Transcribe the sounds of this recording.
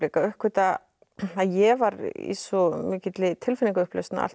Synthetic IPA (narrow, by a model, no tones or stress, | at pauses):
ekaœhkvɪt̪a | aðjɛvaɾḭsɔmɪːcɪt̪lɪt̪ʰɪlfɪniŋkaʏhplœ̰st̪na̰a̰l